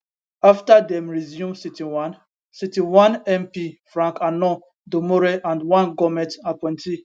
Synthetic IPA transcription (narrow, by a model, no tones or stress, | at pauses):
aftadɛ̃mɹizjũmsitiwãn | sitiwãnɛ̃mpifɾãŋkanɔ | domoɾeʔãndwãnɡɔmɛtapɛ̃ntʰi